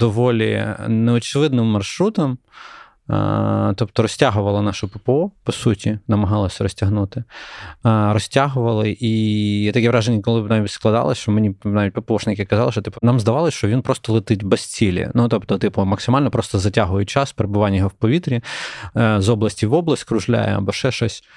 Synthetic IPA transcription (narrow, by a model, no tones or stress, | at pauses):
d̪̥ɔʋɔlʲḭnɛɔt͡ʃɪʋɪd̪nɪmːɐrʃɾut̪ɔm̰ | t̪ɔpt̪ɔɾɔsʲtʲaɦʊʋɐlˠɐnɑʃʊpɪpeɔpɔsutʲinɐmɐɦɑlˠɐsʲɐɾɔsʲtʲɐɦnut̪ɪ | ɾɔsʲtʲaɦʊʋɐlˠɪʔit̪ɐkʲɛʋɾɑʒenʲːɐkɔlˠɪnaʋʲitʲsklˠɐd̪ɑ̰lˠɐ̰sʲʃt͡ʃɔmenʲinaʋʲitʲpɐpeɔʂnɪkʲɪkɐzɑlˠɪʃt͡ʃɔt̪ipʊnɑmzd̪ɐʋɑlˠɪsʲʃt͡ʃɔʋʲinpɾɔst̪ɔlˠɪt̪ɪtʲbɛsʲt͡sʲilʲḭnut̪ɔpt̪ɔt̪ɪpʊmɐksɪmɑlʲnɔpɾɔst̪ɔzɐtʲaɦʊjʊt͡ʃaspeɾebʊʋanʲːɐjɔɦɔwpɔʋʲit̪ɾʲi | zɔblˠɐsʲtʲiʋɔblˠɐsʲtʲkɾʊʒlʲa̰jɛ̰ɐ̰bɔʃɛʃɔsʲ